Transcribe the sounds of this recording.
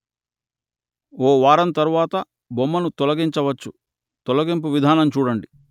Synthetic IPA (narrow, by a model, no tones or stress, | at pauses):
oːʋaːɾɐnt̪ɐɾuʋaːt̪ɐ | bomːɐnut̪ɔlɐɡiɲt͡ʃɐʋɐt͡ʃːu | t̪ɔlɐɡimp̬uʋid̪ʱaːnɐmt͡ʃuːɽɐɳɖi